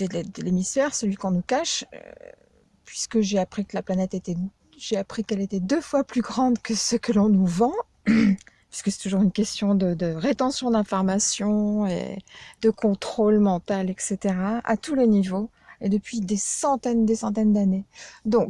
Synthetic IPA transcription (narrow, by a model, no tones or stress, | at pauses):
sɛled̪əlemisfɛʁsəlɥikɔ̃nukaʃø̰ | pɥiskəʒeapχikəlaplanɛt̪et̪ɛ | ʒeapχikɛlet̪ɛd̪øfwaplyɡʁɑ̃d̪kəsəkəlɔ̃nuvɑ̃ | pɥi̥skəsɛ̥t̪uʒuʁynkʲɛst̪jɔ̃d̪əd̪əʁet̪ɑ̃sjɔ̃d̪ɛ̃fɔʁmasjɔ̃ḛd̪əkʰɔ̃t̪χolmɑ̃t̪alɛkset̪eʁaa̰t̪ulenivo | ed̪əpɥid̪esɑ̃t̪ɛnd̪esɑ̃t̪̬ɛnd̪aned̪ɔ̃k